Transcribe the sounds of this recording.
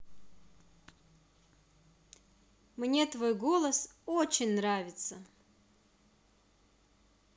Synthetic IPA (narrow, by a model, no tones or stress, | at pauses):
mnʲet̪vo̞jɡolˠəsot͡ɕɪnʲnɾavʲɪt̪sə